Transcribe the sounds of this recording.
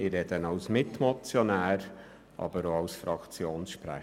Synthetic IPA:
ɪɾɛd̥̪ənɑwsmɪt̪mɔt͡sjonæːɾ | ʔɑ̰b̥əɾoɑʊsfɾɑkt͡sjoːnsʃpɾæ̰

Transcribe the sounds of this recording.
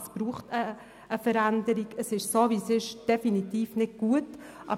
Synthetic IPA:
sb̥ɾuːχtəː | fəɾændəɾiɡəsɪʃsoːviːsɪʃd̥ɛfinitiːfnɪd̚ɡ̥uət | ʔɑ̰

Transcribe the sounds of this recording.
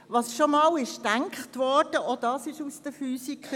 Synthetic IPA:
ʋɑsʃomɑːlɪʃd̥æŋkχtʋɔɹd̥əʔodɑsɪʃusd̥əfyːsik

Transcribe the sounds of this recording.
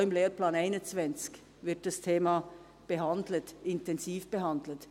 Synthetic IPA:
ɪmleːɾplɑːnaɪnənt͡svɛnt͡sk | vɪɾt̚d̥ɑstʰeːmɑ | b̥əɦɑndlətɪntɛnsiːfb̥əɦɑndl̩ət

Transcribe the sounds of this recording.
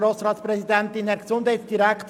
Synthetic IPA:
ɾoːsɾɑːtsprɛsidɛntɪndɛɾɡəsʊndhɛɪtsd̥iɾɛkt

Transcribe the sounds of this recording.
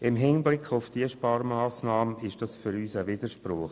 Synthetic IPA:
ɪmɦɪnblɪkʰʊfd̥iəʃpɑːɾmaːsnɑːməɪʃd̥ɑsfʏɾyːsəviːd̥əʃpɾʊχ

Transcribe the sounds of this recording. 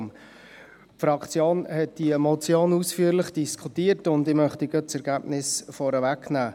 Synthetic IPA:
m | fɾɑkt͡sjoːnhɛt̚d̥iəmɔt͡sjoːnusfyəɾləχd̥iskʰutiətʊndɪmœχtiɡət͡sɛɾɡ̥æːbnɪsfɔɾəvæknæː

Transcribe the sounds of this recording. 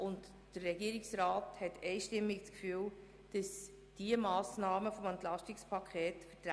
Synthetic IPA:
ʊnd | d̥ərːɛɡiəɾɪksɾaːthɛtɛɪʃtɪmːɪkt͡skfyːl | d̥əs | d̥iəmɑːsnɑːməfɔmɛntlɑʃtikspʰɑkʰeːtfətɾa

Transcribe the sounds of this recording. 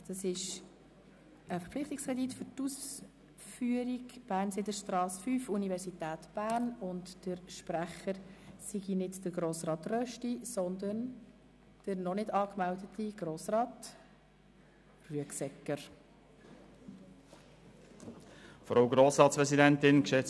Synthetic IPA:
d̥ɑsɪʃ | əfəɾplɪχt̪ikskʰʁɛd̪itfʏɾtus | fyəɾiɡb̥æːɾnsedəʃtɾɑːsfyfunivɛɾsitæːtb̥æːɾnʊntd̥əɾʃpɾæχəɾsiɡinɪdd̥əɡɾoːsrɑːtrœʃtisɔnd̪ən | d̥əɾnɔnɪdɑːkmældətiɡ̥ɾoːsrɑːt | ryəksɛkːəɾ | fɾaʊɡɾoːsɾɑːtspɾɛzidɛntɪnkʃɛt͡s

